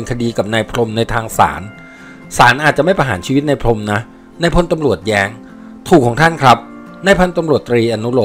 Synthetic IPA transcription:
nkʰa˧diː˧ka˨˩p̚naː˧jpʰlo˧mna˧jt̪ʰaː˧ŋsa̰ː˩˦n | saː˩˦nʔaː˨˩t̪̚t͡ɕa˨˩ma˥˩jpa˧jɦaː˩˦nt͡ɕʰiː˧wi˦˥t̪̚na˧jpʰlo˧mna˦˥ | na˧˩jpʰo˧˥˨nt̪a˧mɾu˨˩ət̪̚jɛː˦˥ŋ | t̪ʰuː˨˩kʰːɔː˩˦ŋt̪ʰa˥˩nkʰɾa˦˥p̚ | na˧˩jpʰa˧˨nt̪a˧mɾu˨˩ət̪ːɾiː˧ʔa˧nːu˦˥lo˨˩

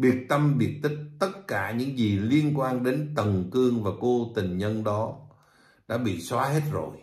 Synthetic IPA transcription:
ɓi˨˩ək̚t̪ə˧mɓi˨˩ək̚t̪ï˦˥k̚t̪ə˦˥t̚kaː˧˩ɲɨ̰˧˥ŋzi˨˩li˧ənkwaː˧nɗe˨˦nt̪ə˨˩nkɨ˧əŋvaː˨˩ko˧t̪ï˨˩ŋ̟ɲə˧nɗɔ˨˦ | ɗa̰ː˧˥ɓḭ˧˨swaː˨˦ɦe˦˥t̚zo̰˨˩j

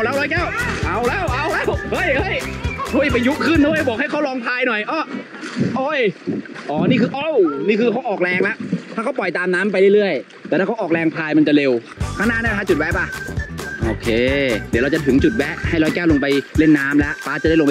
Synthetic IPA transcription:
ʔa˧˩wlɛː˦˥˩ɾɔː˦˥jkɛː˥˩wʔa˧˩wlɛː˦˧˥wʔa˧˩wlɛː˥˩whɤ˦˥˩jhɤ˦˥˩joː˧˥˩jpa˧ju˦˥ʔkʰɯ˥˩nːoː˦˧˥bɔː˨˩k̚ha˥˩kʰwlɔː˧ŋpʰaː˧jnɔ˨˩jʔɔː˧˥˩ | ʔoː˧˥˩jʔɔː˧˩niː˥˩kʰɯː˧ʔo˧˩wniː˥˩kʰɯː˧kʰa˦˥wʔɔː˨˩k̚lɛː˧ŋla˦˥ʔt̪ʰaː˥˩ka˦˥wpɔ˨˩jt̪aː˧mnaː˦˥mp̬a˧jlɯ˥˩jɾɯ˥˩əj | t̪ɛː˨˩ɾaː˥˩kʰa˦˥wʔɔː˨˩lɛː˧ŋpʰaː˧jma˧nt͡ɕa˨˩le˧w | kʰaː˧˩naː˧˥˩naː˥˩˨tʰaː˧˥˩t͡ɕu˨˩t̪̚wɛ˦˥ʔpa˧ʔoː˧kʰeː˧d̪i˨˦ɾt͡ɕa˨˩t̪ʰɯ˩˦ŋt͡ɕu˨˩t̪̚wɛ˦˥ʔha˥˩jɾɔː˧˥jkɛː˥˩wlo˧ŋpa˧jle˥˩nːaː˦˥mlɛ˦˥ʔpaː˦˥˩t͡ɕa˨da˥˩jlp

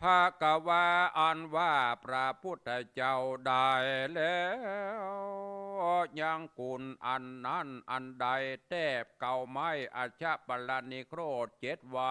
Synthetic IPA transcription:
pʰaka˧wa˧ʔɔ˧nʋaː˧pɾaː˧pu˧ət̪̚ːa˧jt͡ɕawɗajlɛ | wɔ˧ɲa˧ŋku˧nʔanːanʔa˧nɗa˧jt̪ɛː˧˩p̚kawma˧jʔa˧t͡ɕʰa˧ʔpala˧nːi˧kʰɾoː˧t̪̚t͡ɕe˧t̪̚wa

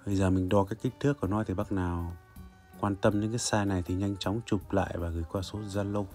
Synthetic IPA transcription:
hə˧˩jzəː˨˩mï˨˩ŋ̟ɗɔ˨˩kaː˦˥kːi˦˥t̪ʰɨ˦˥əkʔu˧˩˨nɔ˨˦jt̪ʰi˨˩ɓa˦˥k̚naː˨˩w | kwaː˧nt̪ə˧mɲɨ̰˧˥kaː˨˦jsaː˧jna˨˩jt̪ʰi˨˩ɲa˧jŋ̟t͡ɕɔ˨˦wŋ͡mt͡ɕʊ˨˩p̚la̰ː˧˨jvaː˨˩ɣɨ˨˩jkwaː˧so˨˦zaː˧lə˧w

